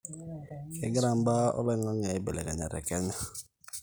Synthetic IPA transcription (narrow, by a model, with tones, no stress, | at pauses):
ke˨ɡɾa˨m̩˦ba˦ɔ̰˦le˦ŋa˦ŋe˨˦be˨le˨ka˨ɲa̰˨ɾɛ̰˨kɛ˦ɲa˦